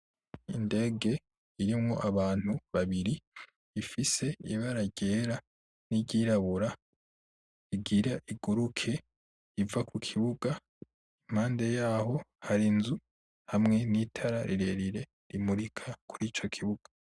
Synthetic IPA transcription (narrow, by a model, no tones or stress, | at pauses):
inde̞ːɡe̞ | iɾimŋo̞̰ʔaβaːn̥huβaβiɾiː | fise̞iβaɾaɟe̞ːɾa | niɟiːɾaβuɾa | iɡiɾaʔiɡuɾukʰe̞ | ivakukʰiβuɡa | im̥haːnde̞jaːho̞haɾinzu | hamŋe̞nitʰaɾaɾiɾe̞ɾiɾe̞ | ɾimuɾikʰakʰuɾiːt͡ʃo̞kʰiβuɡ̥ḁ